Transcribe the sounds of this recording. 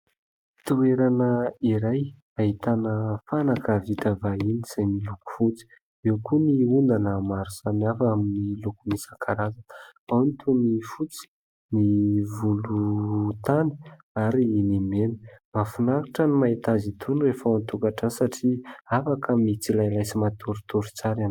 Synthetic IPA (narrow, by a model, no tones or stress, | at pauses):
t̪ueɾanəiɾaj | aɦit̪anəfanakəvit̪avainiz̥ajniluku̥fut͡si̥ | ewkuniund̪anamaɾuz̥anafaminilukunisakʰaɾazəanit̪ʰunifut͡si̥ | nivulut̪ani̥ | aɾinimenə̥mafunaɾiʈ͡ʂanimait̪azit̪ʰunrefaant̪ukaʈ͡ʂansaʈ͡ʂiafakʰamit͡silajlajsimat̪ʰuɾut̪uɾut͡saɾan